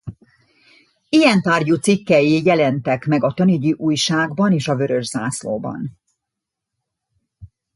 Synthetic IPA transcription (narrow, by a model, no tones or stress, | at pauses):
ijɛnt̪aːrɟuːt̪sikːɛjiːjɛlɛnt̪ɛkmɛɡɒt̪ɒnyɟiʔuːjʃaːɡbɒneːʃɒvø̞ɾø̞ʒzaːslo̰ːbɒ̰n